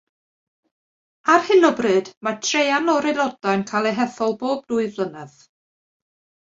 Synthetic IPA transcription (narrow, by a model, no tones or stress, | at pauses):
arhɪnəbrɨd̥matʰrejanlɔɾɪlˠɔdajnkʰalˠɛɦɛθɔlˠboːb̚duːɨðlˠənɛð